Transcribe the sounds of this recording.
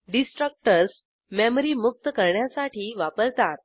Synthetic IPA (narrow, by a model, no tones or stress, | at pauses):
ɖisʈɾək̚ʈəɾs | memɾimuk̚t̪əkəɾɳjasaʈʰiːʋapəɾt̪at̪